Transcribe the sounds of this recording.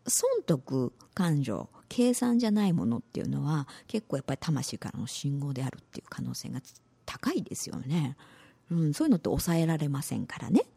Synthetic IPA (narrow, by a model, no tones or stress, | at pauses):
sõ̞nt̪o̞kɯ̟kãɲ̟d͡ʑo̞̰kʰe̞ːsãɲ̟d͡ʑanaimo̞no̞t̪ːe̞̰jɯ̟no̞βake̞kːo̞ːjapːaɾit̪amaɕiːka̰ɾa̰noɕĩŋɡo̞ːd̪e̞aɾɯ̟t̪ːe̞̰jɯ̟̰kʰano̞ːse̞ːɡa | t̪ʰḁkaid̪e̞sɨjo̞̰ne̞ | ɯ̟̃ɴsoːjɯ̟not̪ːeo̞sae̞ɾaɾe̞masẽ̞̰ŋkaɾa̰ne̞